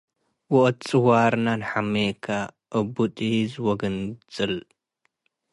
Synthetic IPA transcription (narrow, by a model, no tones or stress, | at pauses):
wɔʔt̪t͡sʼɨwaɾnanħamekʰaʔɨbut̪ʼizwɔɡɐnt͡sʼɨl